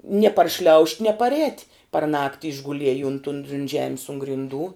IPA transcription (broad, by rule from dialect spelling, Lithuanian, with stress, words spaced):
nʲiɛ pɐrʲˈʃʲlʲɛʊʃʲtʲ nʲiɛ pɐrʲˈɛːtʲ pɐr ˈnɑːktʲɪ ɪʒɡʊˈlʲiɛj ʊnt ʊn ʊnt ˈʒʲæːmʲɪs ʊn ɡrʲɪnˈduː